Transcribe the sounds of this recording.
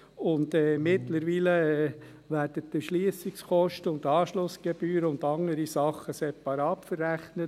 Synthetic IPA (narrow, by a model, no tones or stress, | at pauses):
ʊndɛmɪtləɾʋiːlə | ʋæːrdətːəʃliəsɪkskɔʃtəʊndɑːʃlʊsɡ̥eb̥yːɾəʊndɑŋəɾisɑχːəsɛpɑɾɑːtfərːæχnə